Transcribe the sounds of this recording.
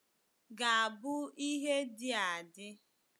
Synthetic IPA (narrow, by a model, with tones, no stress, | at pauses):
ɡa˨a˨bʊ˦i˦ɦe˦dɪ˦a˨dɪ˦